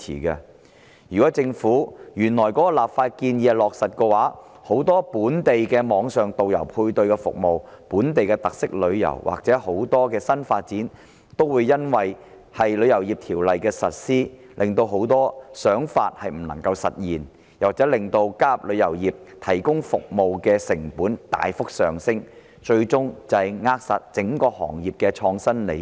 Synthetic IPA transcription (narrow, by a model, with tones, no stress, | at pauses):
ḭː˨˩kɐ˧ | jyː˨˩kɔː˨˥t͡sɪ˧ŋfuː˨˥jyː˨˩nlɔː˨˩jkɔː˨˥kɔ˧laː˨˩pfaː˧t̚kiː˧nji˧˨lɔː˨k̚sɐ˨t̚kɛː˧waː˨˥ | ho˨˥wt̪ɔː˥puː˨˥nt̪e˨jkɛː˧mɔː˨˧ŋsœː˨ŋt̪o˨wjɐ̰˨˩wpʰuː˧jt̪ɵ˧ɥkɛ˧fʊ̰˨k̚mo˨wpuː˨˥nt̪e˨jkɛ˧t̪ɐ˨k̚sɪ˥k̚lɵ˨˧ɥjɐ̰˨˩wwʔa̰ː˨˩k̚t͡sɛː˨˥ho˨˥wt̪ɔː˥kɛː˧sɐ˥nfaː˧t̚t͡siː˨˥n | t̪o˥wwuː˨˧jːɐ˥nwɐ˨j | hɐ˨jlɵ˨˧ɥjɐ˨˩wjiː˨p̚t̪ʰiː˨˩wlɐ˨jkɛː˧sɐ˨t̚siː˥ | lʔɪ˨ŋt̪o˧wɦo˨˥wt̪ɔː˥sœː˨˥ŋfa̰ː˧t̚hɐ˨jm̩˨˩nɐ̰˨˩ŋkɐ˧wsɐ˨t̚jiː˨n | jɐ˨˩k̚t͡sɛː˨˥lɪ˨˩ŋt̪o˧wkaː˥p̚lɵ˨˧ɥjɐ˨˩wjiː˨p̚t̪ʰɐ˨˩jkʊ˥ŋfʊ˨k̚mo˨wkɛː˧sɪ˨˩ŋpuː˨˥nt̪a̰ː˨jfʊ˥k̚sœː˨ŋsɪ˥ŋ | t͡ʃɵ˧ɥt͡sʊ˥ŋt͡sɐ˨ŋaː˧k̚sɐ̰˨t̚t͡sɪ˨˥ŋkɔː˧hɔ̰ː˨˩ŋjiː˨p̚kɛː˧t͡ʃʰɔː˧ŋsɐ˥nlḛ˨˧j